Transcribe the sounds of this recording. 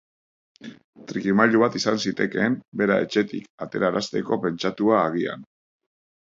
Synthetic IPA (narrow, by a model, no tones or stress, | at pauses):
t̪ɾikimaʎuβat̪isansit̪e̞ke̞mbe̞ɾae̞̰t͡ʃe̞t̪ikat̪e̞ɾaɾast̪e̞ko̞pe̞nt͡ʃat̪uaːɣia̰n